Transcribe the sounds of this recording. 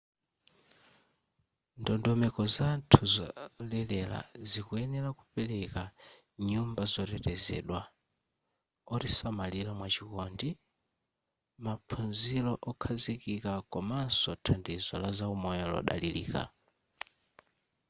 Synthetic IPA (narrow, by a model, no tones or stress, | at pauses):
ndɔndɔmɛkɔzantʰuzɔlɛlɛla̰zikuɛnɛɾakupɛlɛka | ɲumbazɔtɛtɛzɛ̰ɗwa | ɔɾisamalilamwat͡ʃikɔndi | mapʰunzilɔʔɔkʰazikikakɔmansɔtʰandiza̰lazaumɔjɔlɔ̰ɗa̰lilḭːka̰